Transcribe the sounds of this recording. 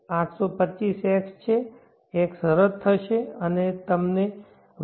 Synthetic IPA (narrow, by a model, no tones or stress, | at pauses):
ãʈʰsopətːt͡ʃisekst͡ʃʰeː | ksəɾəɾ̚t̪ʰːəʃeənet̪əmne